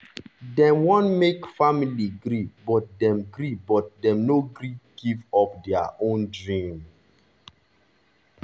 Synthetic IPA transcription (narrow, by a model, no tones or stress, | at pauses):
dɛ̃mwɔ̃nmekfamiliɡɾibɔt̚dɛ̃mɡɾibɔt̚dɛ̃mnoɡɾiɡ̥ivɔpdɛa̰ʔõndɹĩm